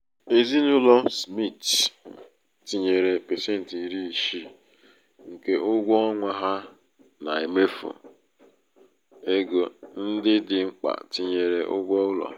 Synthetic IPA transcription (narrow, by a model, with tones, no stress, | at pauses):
e˨zi˦nʊ˦lɔ˦smi˦˨t | ti˨ɲe˨ɾe˨pe˨se˦˨n̩˨ti˨ɾi˦i˨ʃi˦ | ŋ̩˨ke˨ʔʊ˦ɡʷɔ˦ɔ˦ŋʷa˦ɦa˦ | na̰˨e˨me˦fṵ˨ | e˦ɡo˨n̩˦dɪ˦dɪ˨ŋ͡m̩˦k͡pa̰˨ti˨ɲe˨ɾe˨ʔʊ˦ɡʷɔ˦ʊ˦lɔ̰˨